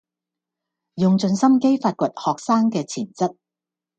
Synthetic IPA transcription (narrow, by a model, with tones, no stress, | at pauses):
jʊ˨ŋt͡sɵ˧nsɐ˥mke˥jfaː˧t̚kʷə˨t̚hɔː˨k̚saː˥ŋkɛː˧t͡sʰiː˨˩nt͡sɐ˥t̚